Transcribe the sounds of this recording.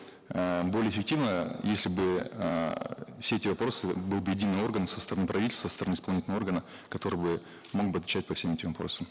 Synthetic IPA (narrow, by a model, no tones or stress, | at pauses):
əbo̞lʲɪjeːɪfʲɪk̚tʲivnəjesʲlʲɪbɨ | fsʲeɛtʲɪvɐpɾo̞sɨbɨlˠbɨjɪdʲinːɨjo̞rɡənəmsə̥st̪əɾɐnɨpɾʔɐvʲitʲlʲst̪ːəst̪əɾɐnɨɪspɐlˠnʲitʲlʲnəvo̞rɡənə | kɐt̪o̞ɾɨbɨ | mo̞ɡ̚bɨɐt̪vʲɪt͡ɕæt̚ʲpɐfsʲemɛtʲɪmvɐpɾo̞səm